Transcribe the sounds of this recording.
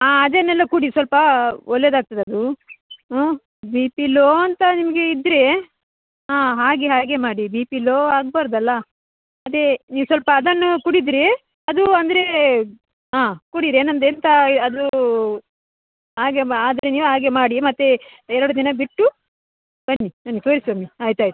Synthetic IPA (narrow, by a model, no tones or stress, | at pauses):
aːɐd̪enːɛlːɐkuɽisʋɐlpɐɔlːed̪aːɡ̚t̪ɐd̪eɐd̪u | biːpiloːɐnt̪ɐnimɐɡe̞id̪ːɾe | ɦaːɦaːɡeɦaːɡemaːɽibiːpiloːaːɡ̚baːɾɐd̪ɐlːɐ | ɐd̪eniːʋusʋɐlpɐːd̪ɐnːukuɽid̪ɾe | ɐd̪uɐnd̪ɐɾe | ɦaːkuɽiɾenɐnd̪ent̪ɐɐd̪u | ɦaːɡeaːd̪ɐɾeniːʋuɦaːɡemaːɽimɐt̪ːeɛɾɐɽud̪inɐbiʈːu | b̥ɐnːinaːnɡet̪oːɾisʋaːmiaːjt̪uaːjt̪u